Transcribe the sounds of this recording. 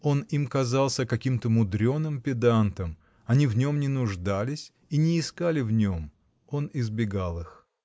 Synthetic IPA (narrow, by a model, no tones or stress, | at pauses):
o̞nimkɐzɑlˠsʲəkɐkʲimt̪əmʊd̪ɾʲo̞nɨmpʲɪd̪ant̪əm | ɐnʲivnʲo̞mnʲɪnʊʐd̪alʲɪsʲ | inʲɪːskalʲɪvnʲo̞m | o̞nɪzbʲɪɡalˠɨx